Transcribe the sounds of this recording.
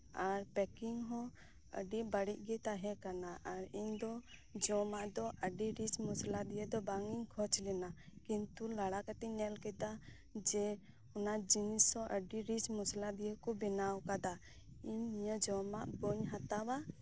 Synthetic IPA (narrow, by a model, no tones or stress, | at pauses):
aɾpɛkiŋɦɔ̃ | ə̰ɖibaɽiʔ̚ɡɛt̪aɦɛkanaʔaɾiɲd̪ɔd͡ʒɔmaʔd̪ɔʔəɖiɾit͡ʃmɔslad̪ijəd̪ɔbaŋiɲkʰɔt͡ʃlɛnakint̪ulaɽakat̪ɛnɛlkɛt̪a | d͡ʒɛ | ɔnad͡ʒinisɔ̃ʔəɖiɾit͡ʃmɔslad̪ijəkɔbɛnawkad̪a | iɲijəd͡ʒɔmaʔbɔɲɦat̪aba